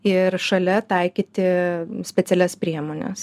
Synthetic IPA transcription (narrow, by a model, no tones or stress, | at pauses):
ɪɾʃɐlʲɛt̪ɐɪkʲiːt̪ʲɪsʲpʲɛt̪ʲɛlʲɛspʲɾʲiɛmoːnʲɛ̰s